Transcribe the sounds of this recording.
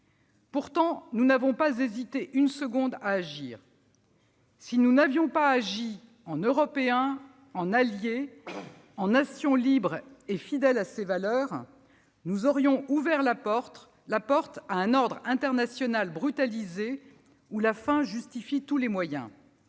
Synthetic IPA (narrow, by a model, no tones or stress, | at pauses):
puʁt̪ɑ̃nunavɔ̃pazezit̪eʔynsəɡɔ̃d̪aːʒḭːʁ | sinunavjɔ̃paːʒi | ɑ̃nøʁɔpeɛ̃ | ɑ̃nalje | ɑ̃nasjɔ̃libʁefid̪ɛlasevalœːʁ | nuzɔʁjɔ̃ʔuvɛʁlapɔʁt̪ | lapɔʁt̪aɛ̃nɔʁd̪ʁɛ̃t̪ɛʁnasjɔnalbʁyt̪alize | ulafɛ̃ʒyst̪ifit̪ulemwajɛ̰̃